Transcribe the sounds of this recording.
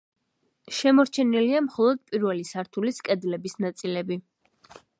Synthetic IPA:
ʃɛmɔɾt͡ʃʰɛniliamχɔlˠɔd̪̚pʼiɾvɛlisaɾt̪ʰuliskʼɛd̪lɛbisnat̪sʼilɛbi

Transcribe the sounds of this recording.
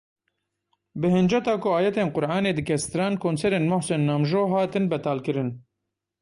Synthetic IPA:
bɨhɪnd͡ʒɛt̪aːkʊaːjɛt̪eːnqʊɾʔɑːneːd̪ɨkʰɛst̪ɨɾɑːnkʰoːnsɛɾeːnmʊhsɛnːaːmʒoːɦaːt̪ɨnbɛt̪aːlkɨɾɨn

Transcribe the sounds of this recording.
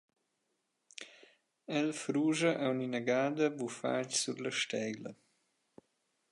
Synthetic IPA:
ɛlfɾuːʒɐʔɛuninaɡaːd̪ɐbufa̰csuɾləʃt̪ɛjlɐ

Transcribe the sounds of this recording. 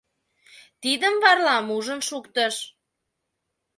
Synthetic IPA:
t̪id̪əmβɑrlɑmuʒənʃukt̪əʃ

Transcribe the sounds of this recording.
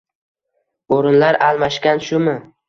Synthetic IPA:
oɾɪnlaɾalˠmaʃkʲanʃʊmɪ

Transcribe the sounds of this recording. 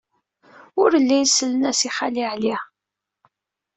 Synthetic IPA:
ʊɾəlːæjsəlːənæsiχaliʕli

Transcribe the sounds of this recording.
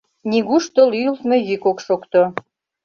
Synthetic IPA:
nʲiɣuʃt̪əlylt̪mejykokʃokt̪o

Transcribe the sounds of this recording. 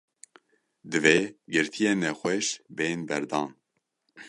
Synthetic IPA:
d̪ɨveːɡɨɾt̪ʰijeːnɛxʷɛʃbeːnbɛɾd̪ɑːn

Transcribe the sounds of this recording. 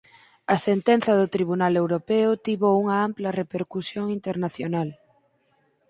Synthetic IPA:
ɐsent̪enθɐðʊt̪ɾiβ̞unalewɾopɛʊt̪iβouŋɐamplɐrepeɾkusjoŋint̪eɾnaθjonal

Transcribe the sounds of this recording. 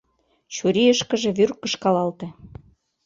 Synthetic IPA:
t͡ɕuɾiəʃkɤ̆ʒĕβyrkɤ̆ʃkɑlɑlt̪ĕ

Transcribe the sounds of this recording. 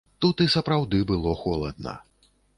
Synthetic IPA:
t̪ut̪isɐpɾawd̪ɨbɨlˠɔxɔlˠɐd̪̚nɐ̰

